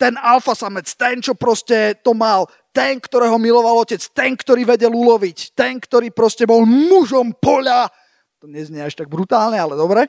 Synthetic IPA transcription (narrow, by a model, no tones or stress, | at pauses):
t̪ɛnalfasamɛt͡st̪ɛnt͡ʃɔpɾɔscɛt̪ɔmal | t̪ɛnkt̪ɔɾɛːɦɔmilɔʋalɔcɛt͡st̪ɛnkt̪ɔɾiːʋɛɟɛlulɔʋict̪ɛnkt̪ɔɾiːpɾɔscɛbɔlnuʒɔmpɔʎa | t̪ɔɲɛzɲɛaʃt̪aɡ̚bɾut̪aːlɲɛalɛd̪ɔbɾɛ